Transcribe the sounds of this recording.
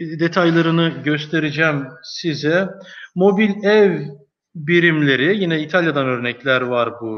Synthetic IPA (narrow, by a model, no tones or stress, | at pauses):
d̪e̞t̪ʰajlˠaɾɯnɯɟø̞st̪ʰe̞ɾid͡ʒɛmsizɛmo̞bilʲɛv | biɾimlʲe̞ɾijinɛit̪ʰalʲjad̪anø̞ɾnɛclʲæɾvaɾbu